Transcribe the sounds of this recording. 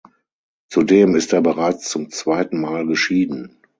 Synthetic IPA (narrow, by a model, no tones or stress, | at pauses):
t͡sudeːmɪsteːɐbəʁaɪt͡st͡sʊmt͡sv̥aɪtn̩maːlɡəʃiːdn̩